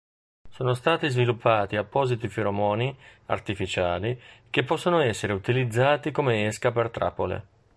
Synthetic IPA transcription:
soːnost̪aːt̪izvilupʰːaːt̪iapːɔːzit̪ifiɾomɔːnia̰rt̪ifit͡ʃaːlikepːɔsːonoɛsːeɾeut̪ilid̪zːaːt̪ikomeeskapert̪ɾa̰pːolḛ

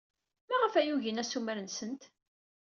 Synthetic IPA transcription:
mæʁəfæjuʝənæsuməɾənsənt̪

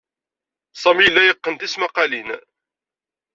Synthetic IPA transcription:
sˤɑmilːæjəqːənt̪ismɑqɑlin

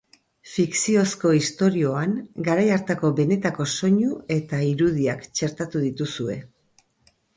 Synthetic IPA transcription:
fiksio̞sko̞ist̪o̞ɾio̞aŋɡaɾajaɾt̪ako̞βe̞ne̞t̪ako̞so̞ɲue̞t̪aiɾuð̞iakt͡ʃe̞ɾt̪at̪uðit̪usue̞

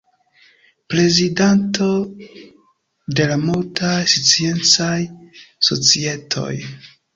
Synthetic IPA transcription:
pɾe̞zidanto̞ | de̞lamoltajsit͡sie̞nt͡sajso̞̰t͡sie̞tʰo̞̰j

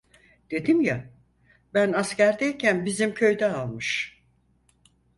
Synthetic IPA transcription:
d̪̥e̞d̪imja | bænascæɾd̪ɛjcʰænbizimcʰø̞jd̪ɛalˠmɯʃ

